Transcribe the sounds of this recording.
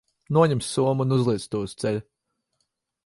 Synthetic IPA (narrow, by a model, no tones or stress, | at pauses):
nuɔɲemsːuɔmunuzlˠiɛst̪uɔst̪sɛlʲ